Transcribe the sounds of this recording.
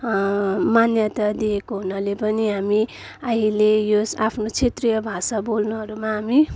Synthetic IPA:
manjʌt̪ad̪iekoɦunʌlepʌniɦami | ajlejosapʰnot͡sʰet̪rijʌbʱasabolnuɦʌɾumaɦami

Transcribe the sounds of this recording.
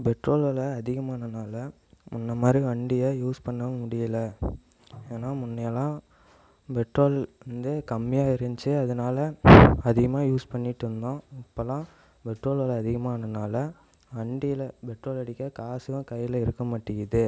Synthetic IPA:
bɛʈɾoːlɐlɐːðɪɣɐmaːnɐnaːlɐ | mʊnːɐmaːd̪ɾiʋɐɳɖɪjɐjuːspɐɳːɐmʊɽɪjɐlɐ | eːnaːmʊnːɐjɐlãː | bɛʈɾoːlʋɐnd̪ɯkɐmːɪjaːɪɾɯɲd͡ʒɯɐðɐnaːlɐɐðɪɣɐmaːjuːspɐɳːɪʈːɾɯnd̪õːɪpːɐlãː | bɛʈɾoːlɐlɐɐðɪɣɐmaːnɐnaːlɐ | ɐɳɖɪlɐbɛʈɾoːlɐɽɪkʲːɐkaːsɪjɐ̃kɐjɪlɐɪɾɯkːɐmaʈːɪɪðɯ

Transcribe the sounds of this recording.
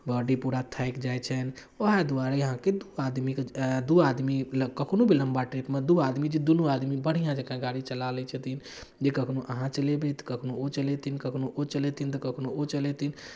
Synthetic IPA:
baːɖipuːɾat̪ʰaɪkd͡ʒajt͡ʃʰən | oɦad̪uaɾejəɦãked̪uaːd̪mikd̪uaːd̪miləkəkʰnobʱilə̃mbaʈɾipmẽd̪uaːd̪mid͡ʒid̪unuaːd̪mibəɽ̤ijãd͡ʒəkãɡaːɾit͡ʃəlalɛt͡ʃʰət̪in | d͡ʒekəkʰnoʔəɦãt͡ʃəlebet̪kəkʰnoot͡ʃəlet̪inkəkʰnoʔot͡ʃəlet̪int̪əkəkʰnoot͡ʃəlet̪in

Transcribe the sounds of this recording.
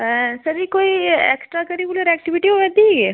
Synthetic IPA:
sɐɾikoːiɛ̰ːksʈɾakəɾikuləɾɛːk̚ʈiʋɪʈiɦoʋɛd̪iɡe

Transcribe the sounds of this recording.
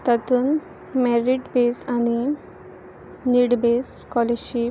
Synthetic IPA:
t̪at̪uːn | mɛɾiʈbesani | niɽbes | kɔleɕi

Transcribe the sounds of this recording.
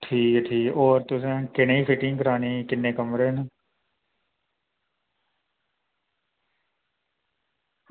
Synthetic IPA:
ʈʰiːkʈʰiːkoːɾt̪ʊs̬ẽːkɪneiːpʰɪʈɪ̃ŋkəɾaːniːkɪnːẽːkəmɾeːn

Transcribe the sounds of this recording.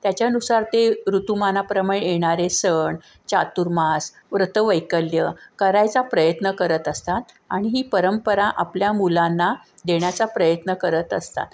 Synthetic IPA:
t̪jat͡ɕjanusaɾt̪eɾut̪umanapɾəməɭejeɳ̃aɾesəɳ | t͡ɕat̪uɾmas | ʋɾət̪əʋəjkəljəkəɾajt͡sapɾəjət̪nəkəɾət̪əst̪at̪ | aɽ̃iɦiːpəɾəmpəɾaʔapljamulãnːa | d̪eɳjat͡sapɾəjət̪nəkəɾət̪əst̪a̰t̪

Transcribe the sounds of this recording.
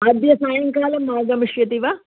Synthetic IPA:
ɐd̪jɐsaːjɐŋkaːlɐmːaːɡɐmiʂjɐt̪iʋa

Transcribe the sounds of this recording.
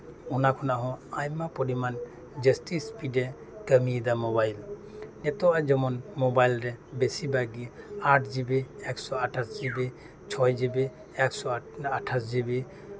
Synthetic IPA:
unakʰɔnaɦɔ̃ajmapɔɖiman | d͡ʒəsʈispiɖɛ | kəmid̪amɔbajlnɛt̪ɔad͡ʒɔmɔnmɔbajlɾɛbesibaɡiaʈʰd͡ʒibɛɛksɔaʈʰasd͡ʒibɛ | t͡ʃʰɔjd͡ʒibɛ | ɛksɔaʈʰasd͡ʒibe

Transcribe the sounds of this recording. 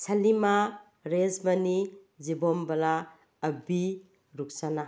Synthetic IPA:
salima | ɾezmani | d͡ʒibɔmbɐlaː | bi | ɾuk̚sana

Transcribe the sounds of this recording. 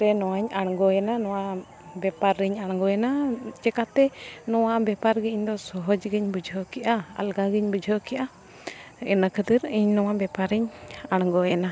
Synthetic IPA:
ɾɛnɔwaɲaɽ̃ɡɔɛnanɔwa | bɛpaɾːiɲaɽ̃ɡɔjɛnad͡ʒɛkat̪ɛnɔwabɛpaɾɡiɲd̪ɔsɔɦɔd͡ʒɡiɲbud͡ʒʱɔkiʔaa̰lɡaɡiɲbud͡ʒʱɔkiʔa | ɛnəkʰəd̪iɾiɲnɔwabɛpaɾiɲaɽ̃ɡɔɛna

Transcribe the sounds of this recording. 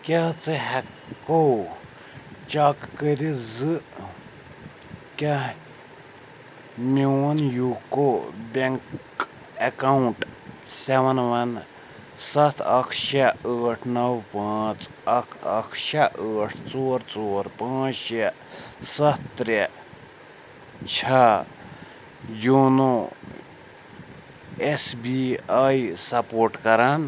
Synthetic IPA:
kʲat͡sɨɦɛkːow | t͡ʃakːəɾizɨ | kʲa | miwɐnjukobeŋk | ekauɳʈ | sɛʋɐnʋɐn | sɐt̪ʰɐkʰʃeəːʈʰnɐwpãːt͡s | əkʰə̰kʰʃaʔəːʈʰt͡soːɾt͡soːɾpãːt͡sʃe | sɐtt̪ɾe | t͡ʃʰɐ | jono | esbiajsɐpoːɾʈkɐɾan

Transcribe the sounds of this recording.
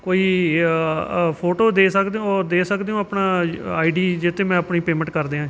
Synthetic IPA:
koːiː | pʰoːʈoːd̪eːsəkd̪eːõːd̪eːsəkd̪eːũːəpnaːaːiɖiːd͡ʒɪt̪ʰːeːmɛ̃ːəpniːpeːmɛ̃ɳʈ̚kəɾd̪eːɦãː

